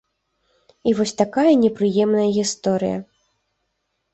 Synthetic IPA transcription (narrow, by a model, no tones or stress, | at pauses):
ivɔsʲt̪akajɐnʲɛpɾɨjɛmnɐjɐɣʲist̪ɔɾɨ̰jɐ̰